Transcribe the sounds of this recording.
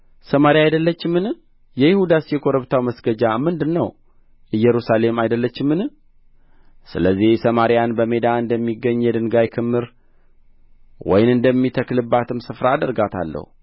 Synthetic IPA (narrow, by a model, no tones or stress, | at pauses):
səmaɾijajd̪əlːət͡ʃːɪmːɨn | jɛjɪhud̪asjɛkʰo̞ɾəβt̪ʰawməsɡəd͡ʒamɨnd̪ɨnːəw | ɨjːɛɾusale̞majd̪əlːət͡ʃːɪmːɨn | sɨləzːihsəmaɾijanbəme̞d̪aɨnd̪əmːiɡːəɲːjɛd̪ɨŋɡajkʰɨmːɨɾ | wɔ̰jnɨnd̪əmːit̪ʰəklɨbːat̪ʰɨmsɨfɾaːd̪əɾɡat̪ʰa̰lːə̰hu